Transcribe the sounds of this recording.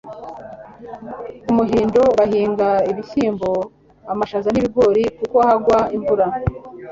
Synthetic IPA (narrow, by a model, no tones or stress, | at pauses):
umuɦiːndo̞βahiːŋɡaiβiçiːmbo | amaʃazaniβiɡwo̞ːɾikukoahaɡwaimvuɾa